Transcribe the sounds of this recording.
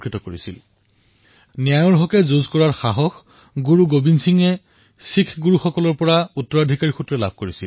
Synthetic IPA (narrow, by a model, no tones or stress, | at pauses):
kɹitɔkoɹisḭl | nijajɔɹɦɔkɛzozkɔɹaɹxaɦɔx | ɡuɹuɡobinsiŋɛ | sikʰɡuɹuxɔkɔlɔɹpɔɹautːɔɹadʱikaɹixutɹɛla̰b̚ʱkoɹisil